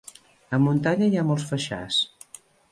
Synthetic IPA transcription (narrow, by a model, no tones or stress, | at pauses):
əmunt̪aɲəiamɔlˠsfəʃa̰s